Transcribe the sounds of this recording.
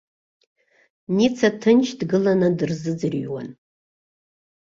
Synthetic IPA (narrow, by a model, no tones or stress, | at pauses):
nit͡sʰatʰɨnt͡ʃʰdɡɨlanadɨrzɨd͡zɨrɥwa̰n